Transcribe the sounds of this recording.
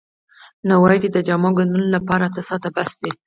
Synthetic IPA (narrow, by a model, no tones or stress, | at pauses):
nawɑjt̪ed̪əd͡ʒamɑɡanunlapɑɾat̪əsɑt̪abasd̪e